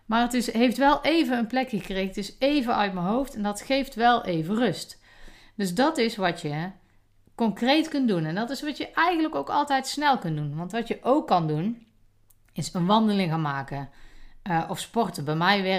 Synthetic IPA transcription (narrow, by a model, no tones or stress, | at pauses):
maːɹətɪsɦejftʋɛlˠʔejvənənplɛkxəkrejɣətɪsejvənœɥtməɦowftɛndɑtχejftʋɛlˠʔejvərɵst | d̥ɵsdɑtɪsʋɑtjə | kɔŋkrejtkɵntdunɛndɑtɪsʋɑtjəʔɛjχənləkowkɑ̰lˠtɛjtsnɛlˠkɵndunʋɑntʋɑtjəʔowkːɑndun | ɪsənʋɑndəlɪŋɣaːnmaːkən | ʔɔfspɔrtəbɛjmɛjʋɛ